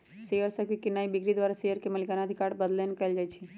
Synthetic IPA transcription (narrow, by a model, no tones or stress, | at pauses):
sejəɾsəkikɪnːaibɪkɾid̪waːɾasejəɾkemɐlikanad̪ʱikaːɾbəd̪lenekɐld͡ʒaːjt͡ʃʰi